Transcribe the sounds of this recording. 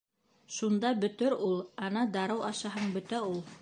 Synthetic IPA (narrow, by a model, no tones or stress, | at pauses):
ʃund̪ɑbɵ̆t̪ɘɾulˠɑnɑd̪ɑɾɤwɑʃɑɦɤɴbɵ̆t̪æulˠ